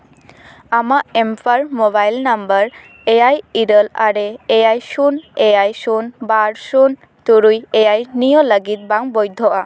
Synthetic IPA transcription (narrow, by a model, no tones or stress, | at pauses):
amaʔempʰaɾmɔbajlnambəɾ | ejajiɾəla̰ɾeːjajsunejajsunbaɾsun | t̪uɾujejajnijɔləɡit̪̚baŋbɔjd̪ʱɔʔa